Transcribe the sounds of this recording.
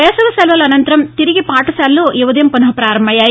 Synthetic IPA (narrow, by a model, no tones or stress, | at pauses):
ɛːsɐlɐsɐlʋɐlɐɐnɐnt̪ɐɾɐmt̪iɾiɡipaːʈɐsaːlːoːʔiʋɐd̪ɐjɐmpɐnɐɦɐpɾaːɾɐmbʱɐjaː